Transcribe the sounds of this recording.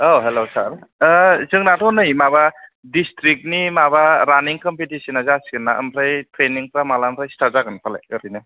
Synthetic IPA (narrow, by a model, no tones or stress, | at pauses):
oɦelowsal | zɯŋnatɔnɯjmaβadistɾik̚nimabaɾaniŋkɔmpitisinazasɡɯnːaʔɯ̰mɾajtɾeniŋpɾamalanɾajstaɾzaɡɯnpʰala̰jɯɾijnɯ